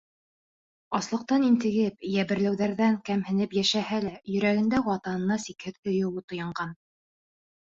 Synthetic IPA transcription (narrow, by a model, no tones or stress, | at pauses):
ɑslˠɤ̆q̚t̪ɑnint̪ɘ̆ɡɘp̚jæβɘ̆ɾlæwðæɾðæŋkæmhɘ̆nɘpjæʃæhælæjɵ̆ɾæɣɘ̆nd̪æwɑt̪ɑnɤ̆nːɑsikhɘðkɵ̆jɘ̆wɘt̪ŏjɑɴɢɑn